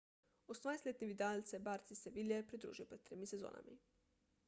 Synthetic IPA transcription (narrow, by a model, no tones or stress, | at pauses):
osmnajst̪lʲeːt̪niʋit̪alt̪sɛbaːɾt̪sisɛʋiljɛpɾid̪ɾṵːʒijopɾɛd̪t̪t̪ːɾeːmisɛzo̰ːna̰mḭ